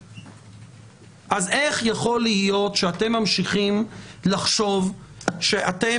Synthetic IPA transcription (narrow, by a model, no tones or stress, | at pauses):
ʔazeχjaχo̞lijo̞tʃeate̞mːamʃiχimlaχʃo̞vʃeʔate̞